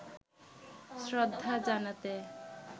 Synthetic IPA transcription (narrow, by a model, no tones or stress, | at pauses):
sɾɔd̪ʱːad͡ʑanat̪e